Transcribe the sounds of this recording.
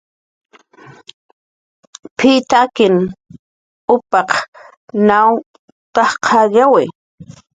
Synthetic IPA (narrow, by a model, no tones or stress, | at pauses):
pʰit̪akɪn | ʊpɑq | naw | t̪ɑχqʰɑʎawɪ